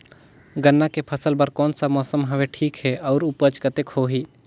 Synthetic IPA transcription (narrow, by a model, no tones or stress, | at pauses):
ɡənːakepʰəsəlbəɾkɔːnsamɔːsəmɦəʋeʈʰiːkɦɛɔːɾʊpət͡ʃkət̪ekhoːɦiː